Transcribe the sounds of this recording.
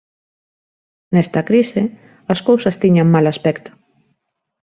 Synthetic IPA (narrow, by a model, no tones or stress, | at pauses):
nɛst̪ɐkɾisɪ | askowsɐst̪iɲaŋmalaspɛkt̪ʊ̥